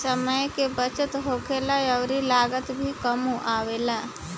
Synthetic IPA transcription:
səməjkebət͡ʃət̪ɦoːkʰeːlajəːɾilaːɡət̪bʱikəmuʔaːʋeːlaː

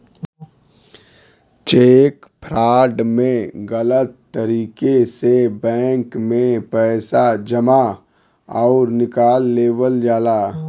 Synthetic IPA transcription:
t͡ʃeːkpʰɾaːɖmẽɣələt̪ːəɾiːkesebɛ̃ːŋkmẽpɛːsad͡ʒəma | ɔːɾnɪkaːlːeːwəld͡ʒaːlaː

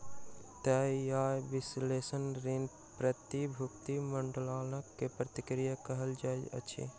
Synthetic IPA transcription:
t̪ɛːjaːjʋɪsleːsənɾin | pɾət̪ibʱʊkt̪iməɳɖəlaːnəkːepɾət̪ikɾijakəɦəld͡ʒajə̰t͡ʃʰḭ

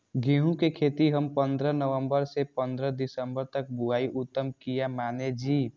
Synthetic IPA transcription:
ɡiɦũkekʰeːt̪iɦəmpə̃nd̪ɾənəʋə̃mbəɾsepə̃nd̪ɾəd̪ɪsəmbəɾt̪ək̚buaːiʔʊt̪ːəmkijamaːned͡ʒiː

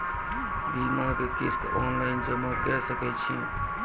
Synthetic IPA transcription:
bimakekist̪ɔ̰nlaɪnd͡ʒəmukɛsəkɛt͡ʃʰḭ̃

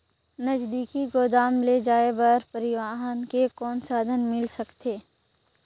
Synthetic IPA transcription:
nəd͡ʒd̪iːkiɡoːd̪aːmled͡ʒaːebəɾpəɾɪʋaːɦənkekɔːnsaːd̪ʱənmɪlsɐkt̪eː

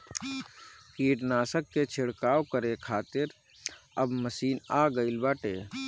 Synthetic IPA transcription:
kiːʈnaːsəkːet͡ʃʰɪɽkaːwkəɾekʰaːt̪ɪɾ | əbməsiːnaːɡəɪlbaːʈeː

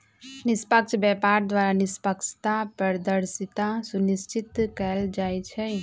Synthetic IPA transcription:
nɪspəkt͡ʃʰbjɛːpaːɾd̪waːɾanɪspəkʃʰt̪apəɾd̪əɾsɪt̪asʊnɪst͡ʃɪt̪kəld͡ʒaːit͡ʃʰɛ

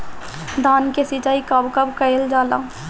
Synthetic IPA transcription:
d̪aːnkesɪt͡ʃaːikabkɐbkəjld͡ʒaːla̰ː

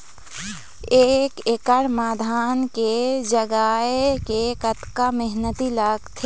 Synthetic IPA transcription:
eːkekəɽmaːd̪ʱaːnked͡ʒəɡaːekekət̪kamɛɦnət̪ilɐɡt̪ʰe

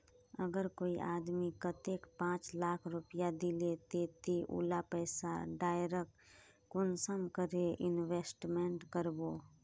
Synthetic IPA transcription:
əɡəɾkoːiʔaːd̪mikət̪eːkpãːt͡ʃlaːkʰɾʊpɪjad̪ilet̪eːt̪iʔṵːlapɛːsa̰ɖaːjɾək | kʊnsəmkəɾeɪnʋeːsʈmeɳʈkəɾboː

